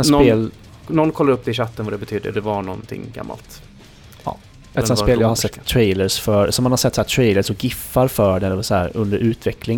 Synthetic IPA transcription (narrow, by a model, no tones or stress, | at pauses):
nseːl | nɔnːkʰɔlːaɾɵp̚ːd̪ɛɪɕat̪ːənvad̪ɛbɛt̪ʰyːd̪ə̰d̪ɛvaɳɔ̰nt̪ʰɪ̰ŋɡa̰mːa̰lt̪ | ɑ̰ | ɛt̪sɛnspeːljaːhasɛt̪ʰːɾɛɪləsfœɾsɔmːanhaɾsɛt̪ːsahæːʈ̪ʰɾɛɪləʂɔɡɪfːaɾfœɖɛshæːɾɵnd̪əɾʉ̟ːt̪vɛklɪ